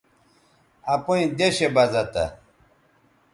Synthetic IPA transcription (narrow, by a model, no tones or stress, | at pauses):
ɐpoĩd̪eɕebɐzɐt̪a̰